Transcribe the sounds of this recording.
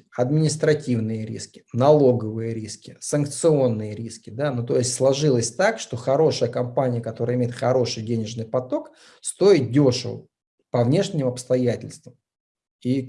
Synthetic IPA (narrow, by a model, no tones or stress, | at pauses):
ɐd̪mʲɪnʲɪst̪ɾɐtʲivnɨjəɾʲḭskʲɪ̥nɐlˠo̞ɡəvɨjəɾʲiskʲɪsənk̚t̪sɨo̞nːɨjəɾʲiskʲɪd̪anut̪o̞jɪsʲtʲslˠɐʐɨlˠəsʲt̪akʂt̪o̞xɐɾo̞ʂəjəkɐmpanʲɪjəkɐt̪o̞ɾəɪmʲejɪt̪xɐɾo̞ʂɨjdʲenʲɪʐnɨjpɐt̪o̞k | st̪o̞ɪt̪̚dʲo̞ʂəvə̰ | pɐvnʲe̞ʂnʲɪmɐpst̪ɐjætʲɪlʲst̪vəm | i